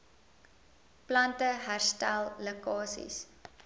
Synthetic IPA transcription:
plɐntəɦærstælˠːəkɑːsḭs

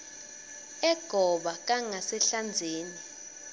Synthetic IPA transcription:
ɛɡ̥ʱɔɓak̬ʼaŋasɛɬand͡zʱeːni

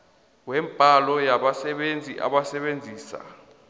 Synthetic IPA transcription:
wɛmpʼalɔjaɓasɛɓend͡zʱiʔa̰ɓasɛɓend͡zʱiːsa̰

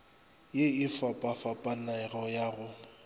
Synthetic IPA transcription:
jeɪfapʼafapʼanaɪrɔjaːɣʊ

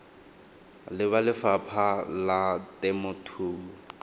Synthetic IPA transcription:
lɪβalɪfapʰalatɛmʊtʰuːbʊ

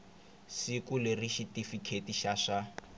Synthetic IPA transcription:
sikulɪriʃitifikʰetiʃaʂa

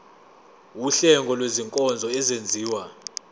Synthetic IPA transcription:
wuɬɛŋɡʱɔlweziŋkʼɔnd͡zʱɔɛzend͡zʱiːwa

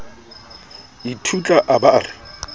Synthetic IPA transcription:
itʰut͡ɬʼaʔaba̰ːrɪ

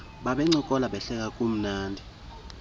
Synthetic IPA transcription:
ɓaɓɛŋ͡ǀikʼɔlaɓɛɬɛk̬akʼum̩naːndʱi

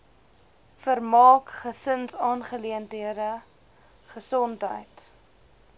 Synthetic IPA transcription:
fərmɑːkχəsənsɑːnχəliəntɦiəɾə | χəsɔntɦə̰jt

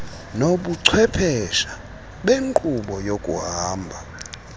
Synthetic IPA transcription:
noɓuǀʰwɛpʰɛʃa | ɓeŋkʼuɓɔjokʼṵɦaːmbʱa

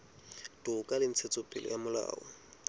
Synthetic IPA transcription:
d̥ʊkʼalɪn̩t͡sʰet͡sʼʊpʼɪlɔ̰jamʊla̰ːɔ̰

